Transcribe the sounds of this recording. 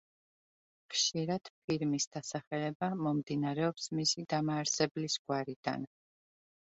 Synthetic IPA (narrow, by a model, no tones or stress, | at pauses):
χʃiɾad̪̥pʰiɾmisd̪̥asaχɛlɛbamɔmd̪inaɾɛɔpsmisid̪amaːɾsɛblisɡ̥waɾid̪a̰n